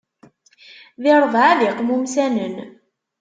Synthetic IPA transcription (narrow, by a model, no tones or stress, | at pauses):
ðɪɾˤəðˤʕaðiqmumsænən